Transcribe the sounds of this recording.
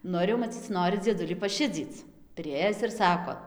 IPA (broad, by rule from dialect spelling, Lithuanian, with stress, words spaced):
ˈnʊ ɪr jɛʊ mɐˈt͡sʲiːt͡s ˈnoːrʲɪ d͡zʲiɛˈdʊlʲiː pɐˈʃʲɪd͡zʲiːt͡s pʲrʲɪˈeːjɪs ɪr ˈsɑːkoː